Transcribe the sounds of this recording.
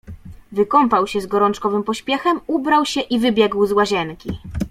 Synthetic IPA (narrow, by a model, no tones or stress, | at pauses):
vɘkɔmpawɕɛzɡɔɾɔnt͡ʂkɔvɘmpɔɕpʲjɛxɛmubɾawɕɛʔivɘbʲjɛɡwzwaʑɛnkʲi